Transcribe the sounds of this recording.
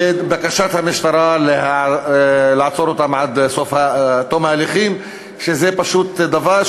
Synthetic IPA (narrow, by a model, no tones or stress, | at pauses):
bakaʃat̪hamɪʃt̪ɑɾˤaleha | lɪʕat͡soɾot̪amʕad̪sofhat̪ːomhalexiːm | ʃezepaʃuːt̪d̪ava